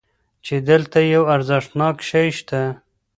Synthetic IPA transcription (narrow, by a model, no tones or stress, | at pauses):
t͡ʃed̪əlt̪ajawaɾzɪʂʈnɑkʃajʃt̪a